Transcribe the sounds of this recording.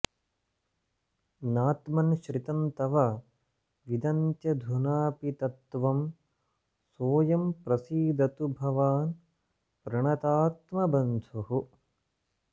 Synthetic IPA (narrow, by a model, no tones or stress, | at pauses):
naːt̪mɐnʃɾit̪ɐnt̪ɐʋɐ | ʋid̪ɐnt̪jɐd̪ʱunaːpit̪ɐt̪ʋɐm | soːjɐmpɾɐsiːd̪ɐt̪ubʱɐʋaːn | pɾɐɳɐt̪aːt̪mɐbɐnd̪ʱuɦu